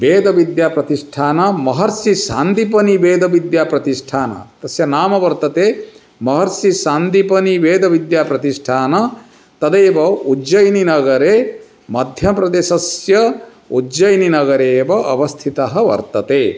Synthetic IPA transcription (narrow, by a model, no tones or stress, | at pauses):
beːd̪ɐʋid̪jaːpɾɐt̪iʂʈʰaːnɐmɐɦɐɾsiʃaːnd̪ipɐnibeːd̪ʱɐʋid̪jaːpɾɐt̪iʂʈʰaːnɐ̰t̪ɐsjɐnaːmɐʋɐɾt̪ɐt̪eː | mɐɦɐɾsiʃaːnd̪ipɐniʋeːd̪ɐʋid̪jaːpɾɐt̪iʂʈʰaːnɐ | t̪ɐd̪eːbɐud͡ʒɐjninɐɡɐɾeː | mɐd̪ʱjɐpɾɐd̪eːʃɐsjɐ | ud͡ʒɐjninɐɡɐɾeːbɐʔɐ̰ʋɐst̪ʰit̪ɐɦɐʋɐ̰ɾt̪ɐt̪eː